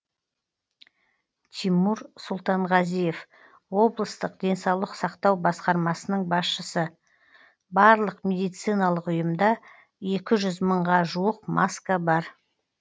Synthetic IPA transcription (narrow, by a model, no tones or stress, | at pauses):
t̪ʰimuɾsʊlˠt̪ɑɴʁɑzije̞f | wo̞blˠəst̪əq̚d̪̥e̞nsɑwlˠəqsɑqt̪ɑwbɑsqɑɾmɑsənəɴbɑsʃəsə | bɑɾlˠəqmʲe̞d̪ijt̪sɨjnɑlˠəqʊjəmd̪ɑ | e̞kʲɪʒʏzməɴʁɑʒuwəqmʔaskabɑɾ